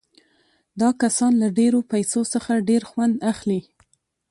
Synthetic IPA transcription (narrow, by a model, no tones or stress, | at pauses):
d̪ɑkasɑnlaɖeɾopajsosəxaɖeɾxwand̪axli